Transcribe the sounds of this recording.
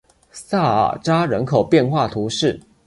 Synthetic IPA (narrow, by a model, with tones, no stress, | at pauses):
sa˥˩ə̰˨˩ʈ͡ʂa˥ɻə˧˥nkʰo˨˩ʊpjɛ˥˧nxwa˥˩t̪ʰu˧˥ʂɻ̩˥˩